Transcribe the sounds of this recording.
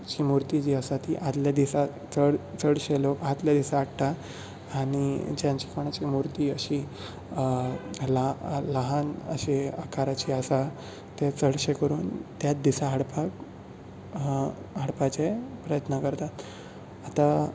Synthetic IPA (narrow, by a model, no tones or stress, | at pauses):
t͡ɕimuɾt̪id͡ʑiːəsat̪iːʔad̪ljad̪isa | t͡səɽt͡səɽɕelokad̪ljad̪isaːʈʈ̪a | aɽ̃id͡ʑjãɲt͡ɕiːkoɽ̃at͡ɕimuɾt̪iːəɕi | laləɦanə̰ɕeəkaɾat͡ɕiəsa | t̪et͡səɽɕekəɾṵːnt̪jat̪̚d̪isaɦəɽpak | ɦəɽpat͡ɕepɾəjət̪nəkəɾt̪at̪ | at̪a